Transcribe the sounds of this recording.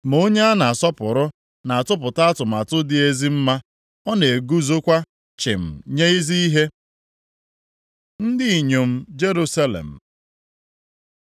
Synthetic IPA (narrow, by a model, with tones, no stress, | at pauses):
m˨o˦ɲe˦a˦na˨a˨sɔ˦pʊ˨ɾʊ˦ | na˨a˨tʊ˦p̬ʊ˨ta˦a˦tʊ˨m̩˨a˨tʊ˦dɪ˨e˦zi˦m̩˦ma˦ | ɔ˦ne˨ɡu˦zo˦kʷa˦ | t͡ʃɪ˨m̩˨ɲe˦i˦zi˦i˦ɦe˦ | n̩˦dɪ˦i˨ɲo˨m̩˦d͡ʒe˦ɾu˦sa˦lḛ˨m̩˨